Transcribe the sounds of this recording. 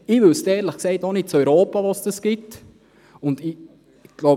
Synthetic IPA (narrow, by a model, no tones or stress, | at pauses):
iʋʏstɛːɾləχksɛɪtonɪt̚t͡sœʏɾoːpaʋɑsd̥əsɡ̥ɪt | ʊndi | ɡ̥loʊ